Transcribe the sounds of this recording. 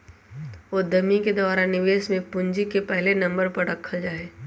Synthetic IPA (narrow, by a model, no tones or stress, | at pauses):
oːd̪ɐmiked̪aːɾanɪʋeːʃmẽpʊɲd͡ʒikepɛɦlenɐ̃mbəɾpɐɾɾɐkʰːəld͡ʒaːeː